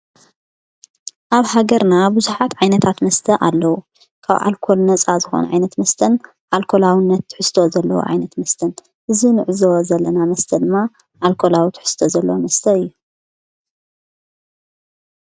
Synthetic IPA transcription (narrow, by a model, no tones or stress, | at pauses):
ʔaβhaɡɐɾnabɨzuħat̪ʕajnɐt̪ʰat̪mɐst̪ʰɐʔalːɐwu | kʰa̰βʔa̰lkʰo̞lnɐt͡sʼazɨxo̰nʕa̰jnɐt̪mɐst̪ʰɐn | ʔalkʰo̞lawɪnːɐt̪ːħɨst̪ʰo̞zɐlːɐ̰wo̰ʕa̰jnɐt̪mɐst̪ʰɐn | ʔɨzinɨʕɨzozɐlːɐnamɐst̪ʰɐd̪ɨmːa | ʔalkʰo̞lawit̪ʰħɨ̥st̪ʰozɐlːɐwomɐst̪ʰɐɨjːu